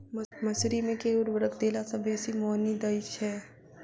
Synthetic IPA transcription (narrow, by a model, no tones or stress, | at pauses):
mmɐsɾimẽkeːʊɾʋəɾəkd̪eːlasɐbeːsimɔːnid̪ɐɪʃɦɛː